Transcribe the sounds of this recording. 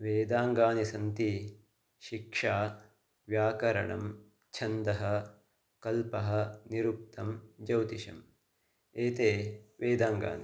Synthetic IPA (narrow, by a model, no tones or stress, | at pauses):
ʋeːd̪aːŋɡaːnisɐnt̪i | ʃikʂaː | ʋjaːkɐɾɐ̰ɳɐ̰m | t͡ʃʰɐnd̪ɐɦɐ̆ | kɐlpɐɦɐ̆niɾup̚t̪ɐmd͡ʒɐwt̪iʃɐ̰m | eːt̪eːʋeːd̪aːŋɡa̰ːni